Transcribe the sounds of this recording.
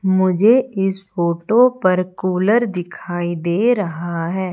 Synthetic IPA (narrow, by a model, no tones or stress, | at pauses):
mʊd͡ʒʱeɪsfoːʈopɐɾkuːləɾd̪ɪkʰaːid̪eːɾɐɦaɦɛː